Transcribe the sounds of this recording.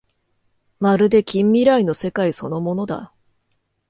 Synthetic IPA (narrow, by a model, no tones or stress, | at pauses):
maɾɯ̟d̪e̞kʲĩmːʲiɾaino̞se̞kaiso̞no̞mo̞no̞d̪a̰